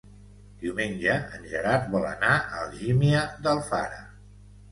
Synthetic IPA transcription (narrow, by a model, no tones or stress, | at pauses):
d̪̥iwmenʲd͡ʒəənʲʒəɾaɾt̪βɔlə̰naəlˠʒimiəðəlˠfaɾə